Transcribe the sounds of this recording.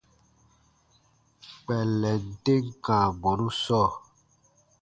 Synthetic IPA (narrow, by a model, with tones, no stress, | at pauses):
k͡pɛ˨lɛ˨˦de˦ŋ˦ka˨bɔ˨ɾu˦sɔ˦˨